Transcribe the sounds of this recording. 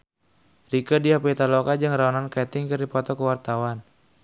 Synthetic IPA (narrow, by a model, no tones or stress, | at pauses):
rikədiapit̪alɔkad͡ʒɨŋraanankɛt̪ɪŋkɨrdipɔt̪ɔkəwart̪awan